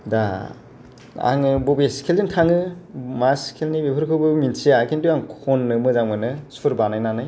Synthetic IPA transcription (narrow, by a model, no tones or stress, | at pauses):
da | a̰ŋɯbobeskʰelzɯntʰaŋɯmaskʰelnibepʰɯɾkʰɯbɯminsʰijakʰentujaŋkʰonːɯmɯzaŋmɯnɯsɯɾbanajnanaj